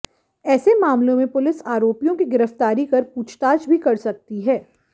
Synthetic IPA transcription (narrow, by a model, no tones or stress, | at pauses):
ɛːsemaːmlõmẽpʊlɪsaːɾoːpijõkiɡɪɾəft̪aːɾikɐɾpuːt͡ʃʰt̪aːd͡ʒbʱikɐɾsɐk̚t̪iɦɛː